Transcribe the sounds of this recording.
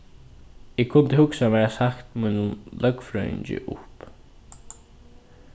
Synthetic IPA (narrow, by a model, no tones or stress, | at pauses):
ɪkkʰːʊnt̪ɪhʊksamɛɹasakt̪munʊmlœkfɹœ̰ɥɪ̰ɲt͡ʃɪ̰ʔʊ̰hp